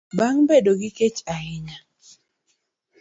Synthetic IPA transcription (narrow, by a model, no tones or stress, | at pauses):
baŋbedoɡɪket͡ʃaɦɪɲa